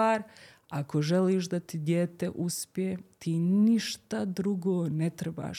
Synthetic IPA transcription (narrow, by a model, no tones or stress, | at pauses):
aːɾ | ako̞ʒeliːʃd̪at̪id̪jeːt̪e̞ʔuspʲjjet̪ʰiːniʃt̪ad̪ɾuɡoːnet̪ɾeba̰ːʃ